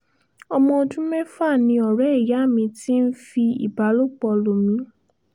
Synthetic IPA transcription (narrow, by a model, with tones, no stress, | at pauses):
ɔ˧mɔ̃˧o˧dũ˦mɛ˦fa˦˨nĩ˧ɔ˨ɾɛ˨˦i˦˨ja˨˦˨mĩ˧ti˦n̩˦fi˧ḭ˨ba˨˦lo˦˨k͡pɔ˧lo˨m̩̃˨˦ũ˦